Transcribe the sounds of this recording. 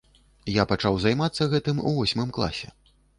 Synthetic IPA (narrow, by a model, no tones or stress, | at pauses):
japat͡ʂawzajmat̪sːɐɣɛt̪ɨmṵvɔsʲmɨmklˠa̰sʲɛ